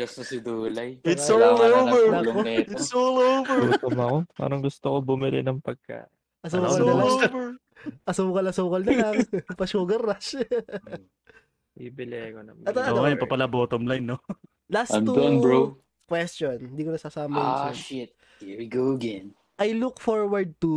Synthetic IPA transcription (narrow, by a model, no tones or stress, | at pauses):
ɡɐst̪osɪd̪uːlɐjɪt̪solobɛɹkoɛɪt̪solobɛt̪omɐkopa̰ːɾɐŋɡʊst̪okobʊmɪlɪ̰nɐŋpɐɡ̚ka̰ːʔ | ʔɐsoːkɐnɐlobɛɹ | ʔɐsoːkɐlɐsoːkɐlnɐlɐŋpɐʃoːɡɐɾaʃ | ibɪlɛkonɐmɐt̪ɐɐjɐpɐpɐlɐboːt̪omlajnːo | lasɐud̪onɹo | kwɛstt͡ʃond̪iːkonɐsaːsaːmɐjasʃɪt̪̚ | ɛɹɡoɡɛn | ʔɐjlukfoɹwɐɹd̪̚t̪u